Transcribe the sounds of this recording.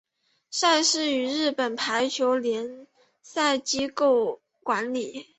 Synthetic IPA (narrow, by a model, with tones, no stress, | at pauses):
ʂa˥˧ɪʂɻ̩˥˩y˧˥ɻɻ̩˥˩pə˨˩npʰa˧˥ɪt͡ɕʰjo˧˥ʊljɛ˧˥n | sa˥˧ɪt͡ɕi˥ko˥˩ʊ | kwa˧˥nli˨˩˦